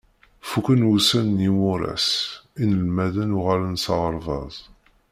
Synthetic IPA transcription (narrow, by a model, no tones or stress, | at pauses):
fukənwusænːimʊɾæ̰sinəlmæðænʊʁalənsɑʁəɾˤvɑzˤ